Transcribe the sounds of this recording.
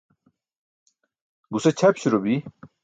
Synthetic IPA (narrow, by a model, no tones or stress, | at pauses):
ɡuset͡ɕʰɐpɕiɾobi